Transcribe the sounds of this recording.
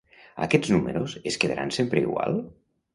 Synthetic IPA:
a̰kɛd͡zznuməɾoseskeðaɾʔansempɾəiɣwa̰lˠ

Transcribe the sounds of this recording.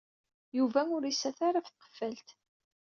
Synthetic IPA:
juvæʊɾisæθaɾafθqə̥fːælt̪

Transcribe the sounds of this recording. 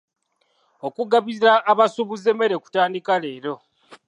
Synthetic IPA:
okuɡaβiɾiɾaːβasuβuze̞me̞ɾe̞ku̥taːndikale̞ːɾo̞

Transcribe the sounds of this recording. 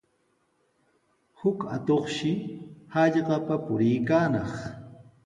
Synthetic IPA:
hʊka̰t̪oχʃɪhɑʎɢɑpapʊɾɪjkaːnɑχ

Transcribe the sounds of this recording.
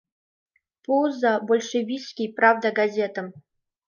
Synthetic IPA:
pozabolʲʂɨvʲiskʲijpɾavd̪aɡɐzʲet̪əm

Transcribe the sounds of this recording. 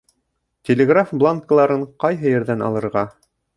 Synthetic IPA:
tʲelʲɪɡrafblˠaŋkəlˠɑɾɤɴqɑjɦɤjɘ̆ɾðænɑ̰lˠɤ̆ɾʁɑ

